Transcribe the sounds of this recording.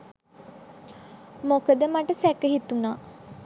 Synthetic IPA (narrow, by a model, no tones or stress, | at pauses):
mokəd̪əmaʈəsɛkəɦit̪unaː